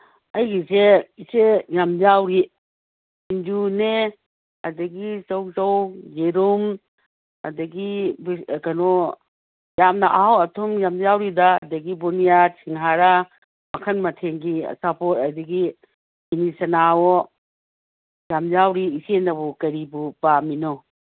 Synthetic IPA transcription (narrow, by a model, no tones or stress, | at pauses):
ɐjɡiseisejamzawɾi | ind͡ʒune | ɐdɐɡisɔwzɔwjeɾum | ɐ̰dɐɡibkɐnɔ | jamnɐʔaɦawɐtʰumjamzawɾidaɐdɐɡibɔnijasʰiŋɦaɾa | mɐkʰɐnmɐtʰeŋɡḭsapʰɔtɐdɐɡi | binisɐnawɔ | jamzawɾiːsenɐbukɐɾibupaminɔ